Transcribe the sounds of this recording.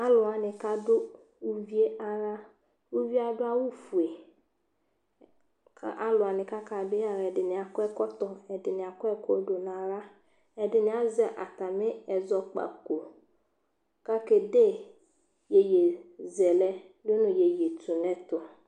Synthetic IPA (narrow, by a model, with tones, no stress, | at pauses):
a˦lʊ˨a˨nɪ̃˨ka˦dʊ˦ | u˦vi˦e˦a˦ɾa˦ | u˦vi˦a˦dʊ˦a˦wʊ˦fu˨e˨ | kʰa̰˦ʔa˦lʊ˨a˨nɪ̃˨ka˦kʰa˨dʊ˦a˨ɾɛ˨dɪ˨nɪ̃˨a˨kʊ˦ɛ˦kɔ˦tɔ˨ɛ˨dɪ˨nɪ̃˨a˨kɔ˦ɛ˦kʰɔ˦do˨nã˨ɾa˦ | ɛ˨dɪ˨nɪ̃˨˦a˦zɛ˨ʔa̰˨ta˨mɪ̃˦ɛ˨zɔ˨k͡pa̰˨ko˨ | ka˦ke˨de˦ | je˨je˨zɛ˨lɛ˦ | dʊ˦nʊ̃˨je˨je˨tu˨nɛ̃˦tʊ˨